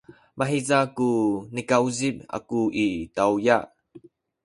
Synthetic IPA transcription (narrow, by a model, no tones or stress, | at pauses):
maɦizakunikɐwzip̚ʔa̰kuʔitɐwjaʔ